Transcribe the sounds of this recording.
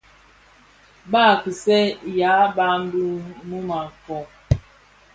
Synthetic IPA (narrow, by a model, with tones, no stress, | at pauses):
ba˦˨ki˨sɛ˦ja˨˦ba˦m˦bu˦mu˦ma˨kɔ˨